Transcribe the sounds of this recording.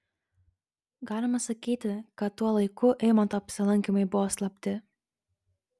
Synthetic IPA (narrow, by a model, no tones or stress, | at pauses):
ɡɑːlʲɪmɐsɐkʲiːt̪ʲɪkɐt̪ːuɔlˠɐɪkʊʔɛɪmɐnt̪oːɐpʲsʲɪlˠɐŋʲkʲɪmɐɪbʊʋoːslˠɐpʲt̪ʲɪ